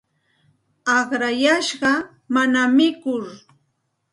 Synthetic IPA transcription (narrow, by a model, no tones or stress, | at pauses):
ɑχɾajaʃɢɑ | manamɪkʊɾ